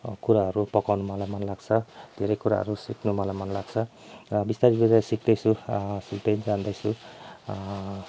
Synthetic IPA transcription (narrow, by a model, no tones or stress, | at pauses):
kuɾaɦʌɾupʌkawnumalajmanlaɡt͡sʰʌd̪ʱeɾʌjkuɾa̰ɦʌ̰ɾusiknumalamanlaɡ̥t͡sʰʌ | ʌbist̪aɾibezasik̚d̪ʌjsʰusultend͡zand̪ʌjsʰu